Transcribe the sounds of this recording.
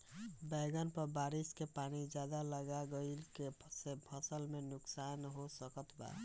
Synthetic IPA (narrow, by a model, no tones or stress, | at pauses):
bəɡənpəɾbaɾiskepanid͡ʒjad̪aləɡaɡəɪlkesebʰəsəlmenuksanɦosəkət̪ʰba̰